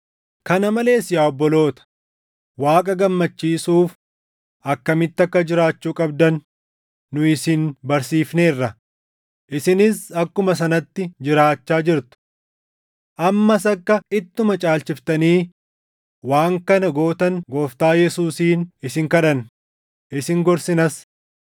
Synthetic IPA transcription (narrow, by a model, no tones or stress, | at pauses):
kɐnɐmɐle̞ːsɪjaːɔbːɔlo̞ːt̪ɐ̥ | waːkʼɐɡɐmːɐt͡ʃːiːsuːf | ʔɐkːɐmɪt̪ːɐkːɐd͡ʒɪɾaːt͡ʃːuːkʼɐb̚d̪ɐnː | ʊɪsɪnbɐɾsiːfne̞ːrːɐ | ʔɪsɪnɪsɐkːʊmɐs̬ɐnɐt̪ːɪd͡ʒɪɾaːt͡ʃːaːd͡ʒɪɾt̪ʊ̥ | ʔɐmːɐs̬ɐkːɐɪt̪ːʊmɐt͡ʃʼaːlt͡ʃɪft̪ɐniː | waːŋkɐnɐɡoːt̪ɐŋɡoːft̪aːjɛsuːsiːnɪsɪŋkɐᶑɐn | ʔɪsɪŋɡɔɾsɪnɐs